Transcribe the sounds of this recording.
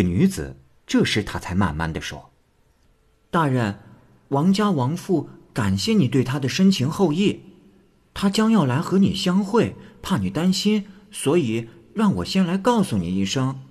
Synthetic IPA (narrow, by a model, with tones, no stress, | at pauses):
ny˧˥t͡sɹ̩̰˨˩ | ʈ͡ʂɤ˥˧ʂɻ̩˥˩t̪ʰa˥t͡sʰa˧˥ɪma̰˥˩nma̰˥˩nd̪ə˩ʂwɔ̰˥ | t̪a˥˧ɻə˥˩n | wɑ˧˥ŋt͡ɕja˥wɑ˧˥ŋfu˥˩ka˨˩nɕjɛ˥˩ni˨˩we˥˩ɪt̪ʰa˥d̪ə˨ʂə˥ŋt͡ɕʰi˧˥ŋxo˥˧ʊi˥˩ | t̪ʰa˥t͡ɕjɑ˥ŋjɑ˥˩ʊla˧˥ɪxɤ˧˥ni˨˩ɕjɑ˥ŋxwe˥˩ɪpʰa˥˩ni˨˩t̪a˥nɕi˥n | swɔ˧˥i˨˩ | ɻɑ˥˩ŋwɔ̰˨˩ɕjɛ˥nla˧˥ɪkɑ˥˩ʊsu˧ni˨˩i˥˩ʂɤ˥ŋ